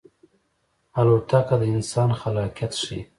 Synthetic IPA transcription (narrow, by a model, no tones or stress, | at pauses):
aloɽt̪akad̪əɪnsɑːnxalɑkjat̪ʂi